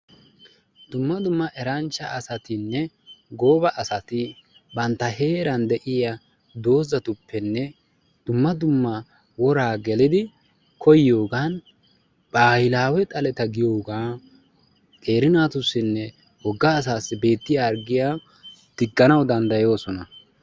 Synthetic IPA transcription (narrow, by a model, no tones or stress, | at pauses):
d̪ʊmːɐd̪ʊmːɐʔɛɾɐnt͡ʃːɐʔːsɐt̪ɪnːɛ | ɡo̞ːbɐʔɐsɐt̪ɪ | bɐnt̪ːɐɦe̞ːɾɐnd̪ɛʔɪja | d̪o̞ːzɐt̪ʊpːɛnːɛ | d̪̥ʊmːɐd̪ʊmːɐ | wɔɾaːɡɛlɪd̪ɪ | kʰɔjo̞ːɡan | b̥aːjɪlaːwɛt̪ʼɐlɛt̪ɐɡɪjo̞ːɡaː | kʼe̞ːɾɪnaːt̪ʊsːɪnːɛ | wɔɡːaːs̬aːsːɪbe̞ːt̪ːɪjaːɾɡɪjaː | t̪ɪkʼːɐnɐwd̪ɐnd̪ɐjo̞ːsɔnɐ